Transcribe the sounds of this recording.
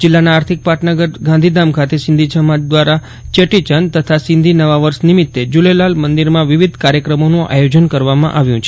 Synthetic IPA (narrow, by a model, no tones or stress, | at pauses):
d͡ʒɪlːanaːɾt̪ʰik̚paʈnəɡəɾɡãnd̪ʱid̪amkʰat̪esɪ̃nd̪ʱit͡ʃʰəmad̪ʋaɾa | t͡ʃeʈit͡ʃənt̪ət̪ʰasɪ̃nd̪ʱinəʋaʋəɾsnimit̪ːed͡ʒulelalmənd̪iɾmãʋiʋid̪ʱkaɾjəkɾəmonũʔa̰jod͡ʒənkəɾʋamã̰ʔaʋjũt͡ʃʰe